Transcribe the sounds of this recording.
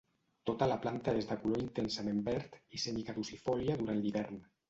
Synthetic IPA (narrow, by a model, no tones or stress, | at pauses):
t̪ot̪alaplant̪aezd̪akuloint̪ensamẽmbɛɾt̪isenikaðusifɔljaðuɾanliβɛɾn